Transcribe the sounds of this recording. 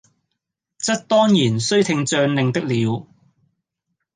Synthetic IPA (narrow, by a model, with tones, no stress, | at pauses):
t͡sɐ˥t̚t̪ɔː˥ŋjiː˨˩nsɵ˥ɥt̪ʰɪ˧ŋt͡sœː˧nlɪ˨˧ŋt̪ɪ˥k̚liː˨˧w